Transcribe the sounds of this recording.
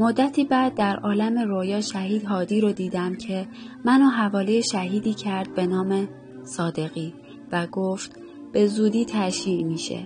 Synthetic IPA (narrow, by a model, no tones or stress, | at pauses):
mod̪ːæt̪ʰiːbæːd̪̚ːæɾʔɒːlæme̞ɾojɒːʃæhiːd̪ɦɒːd̪iːɾod̪iːd̪æmcʰe̞mænoːɦævɒːlejeʃæɦiːd̪iːcʰæɾd̪̚be̞nɒːme̞ | sɒːd̪e̞ɣiː | væɡoft̪ | b̥e̞zuːd̪iːt̪ʰæʃiːʔmiːʃḛ